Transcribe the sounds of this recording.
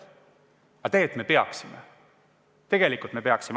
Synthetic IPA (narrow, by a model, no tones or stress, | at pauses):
ɑt̪e̞ːt̪me̞pe̞ɑ̰ksimḛ | t̪e̞ɡ̥e̞likˑult̪me̞peɑksim